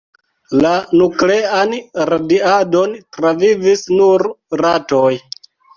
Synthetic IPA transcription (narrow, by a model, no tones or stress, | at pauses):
lanukleanɾadiado̞ntɾavivisnuɾɾatoj